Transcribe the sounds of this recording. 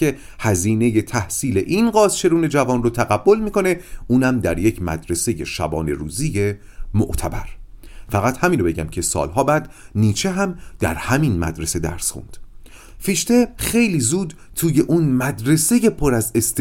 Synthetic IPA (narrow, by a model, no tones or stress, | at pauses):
e̞ | hæziːne̞je̞t̪ʰæhsiːle̞ʔinɢɒːzt͡ʃʰe̞ɾuːne̞d͡ʒævɒːnrot̪ʰæɣæbːo̞lmiːkʰo̞ne̞uːnæmd̪æɾjecʰmæ̰d̪ɾe̞se̞je̞ʃæ̰bɒ̰ːne̞ɾuːzije | moʔt̪ʰæbæɾfæɣæt̪hæmiːnɾobe̞ɟæmcʰe̞sɒ̰ːlɦɒːbæːd̪niːt͡ʃʰeɦæmd̪̥æ̰ɾhæminmæ̰d̪ɾe̞se̞d̪æ̰ɾsχṵnd̪̥ | fiːʃt̪e̞xe̞jliːzuːd̪ | t̪ʰuːje̞ʔuːnmæd̪ɾe̞se̞je̞pʰoɾæze̞st̪